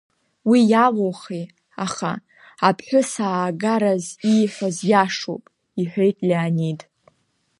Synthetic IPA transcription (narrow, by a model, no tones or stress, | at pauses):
wijaloχe | aχa̰ | apʰħʷᶣʊsaːɡaɾaziħʷazjaʂo̰pʼ | iħʷᶣejtʼlʲianidʼ